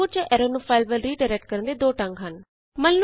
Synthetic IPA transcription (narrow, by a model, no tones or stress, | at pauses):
uːɾt͡ʃəʔɛːɾoːnupʰaːɪlbəlɾiːɖaɪɾɛk̚ʈ̚kəɾə̃nd̪eːd̪oːʈə̃ŋɡɦən | mənl